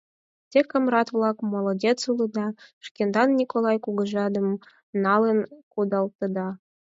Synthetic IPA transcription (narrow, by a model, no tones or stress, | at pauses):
tʲekə̆mrɑt̪vlˠɑkmolˠodʲet͡sulɤd̪ɑʃkʲend̪ɑnːʲikolˠɑjkuɣə̆ʒɑd̪ə̆m | nɑlənkud̪ɑlˠt̪ɤ̆d̪ɑ